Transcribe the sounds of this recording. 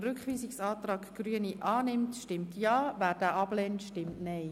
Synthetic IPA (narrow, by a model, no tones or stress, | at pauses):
rʏkχʋiːsɪksɑːtrɑːkɡ̥ryəniʔɑːnɪmtʃtɪmtjɑːʋæːɾd̥æːʔɑb̥leːntʃtɪmtnɛɪ